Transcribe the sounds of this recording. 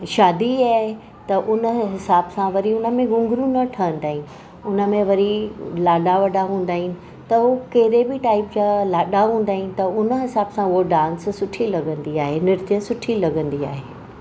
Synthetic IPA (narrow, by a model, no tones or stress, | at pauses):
ʃaːd̪iaːɦ | t̪ɐʔʊnəɦɪsaːbsãʋɐɾiʊnə̆mẽɡʊ̃ŋɡɾũnɐʈʰɐənɪ̆t̪aːɦɪ̃nɪ | ʊnə̆mẽʋɐɾilaːɗaʋɐɖaɦũːn̆d̪aːɦɪnɪ̆ | t̪ɐɦuːkɐɦɪɾebɪʈaːɪpd͡ʑaːlaːɗaɦũːn̆d̪aːɦɪ̃nɪ̆t̪ɐʊnəɦɪsaːbsãʊɦoɖãːnssʊʈʰilɐɡə̃nd̪iaːɦenɪɾt̪ijəsʊʈʰilɐɡə̃nd̪ia̰ːɦeː